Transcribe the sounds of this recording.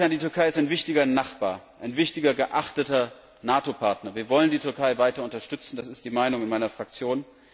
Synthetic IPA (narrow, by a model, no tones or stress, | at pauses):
aːndiːtʏɐkʰaɪɪstaɪnvɪçtɪɡɐnaχb̥aːɐʔaɪnvɪçtɪɡɐɡəʔaχtətɐ | naːtopʰaɐtnɐviːɐvɔləndiːtʰʏɐkʰaɪvaɪtɐʊntɐʃtʏt͡sn̩d̥asɪst̚d̥iːmaɪnʊŋɪnmaɪnɐfʁ̥ak̚t͡sjoːn